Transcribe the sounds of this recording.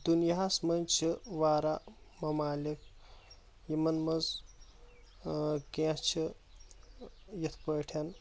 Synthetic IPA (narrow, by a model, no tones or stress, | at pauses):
d̪unjasmɐnʲt͡ʃʰiʋaːɾamɐmaːlikʰ | jimɐnmɐz | ket͡ʃʰi | jɐt̪ʰpəʈʰɐn